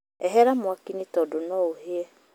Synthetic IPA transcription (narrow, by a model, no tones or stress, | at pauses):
ɛɦɛɾamʊakinitɔdonɔoɦeɛ